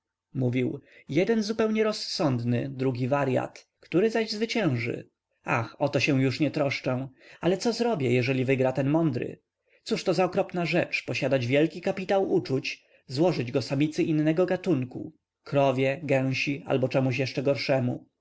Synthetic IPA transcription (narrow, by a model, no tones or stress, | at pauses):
muvʲiwjɛd̪ɛnzupɛwɲɛɾɔsːɔnd̪nɘ̰d̪ɾuɡʲivaɾja̰t̪ | kt̪uɾɘzaʑzvɘt͡ɕɛ̃w̃ʐɘ̰ | axɔt̪ɔɕɛ̃w̃juʂɲɛt̪ɾɔʂt͡ʂɛ̃alɛt̪sɔzɾɔbʲjɛjɛʐɛlʲivɘɡɾat̪ɛnmɔnd̪ɾɘ̰ | t̪suʂt̪ɔzaɔkɾɔpnaʐɛt͡ʂpɔɕad̪ad͡ʑvʲjɛlkʲikapʲit̪awut͡ʂut͡ɕ | zwɔʐɘd͡ʑɡɔsamʲit̪sɘʔinːɛɡɔɡat̪uŋkṵ | kɾɔvʲjɛɡɛ̃w̃ɕia̰lbɔt͡ʂɛmuɕjɛʂt͡ʂɛɡɔɾʂɛmṵ